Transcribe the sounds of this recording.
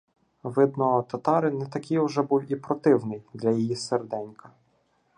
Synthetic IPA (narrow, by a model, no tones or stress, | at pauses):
ʋɪd̪̚nɔɔt̪ɐt̪ɑɾɪnɛt̪ɐkʲijʊʒɛbuwipɾɔt̪ɪwnɪjd̪lʲɐjijiserd̪ɛnʲkɐ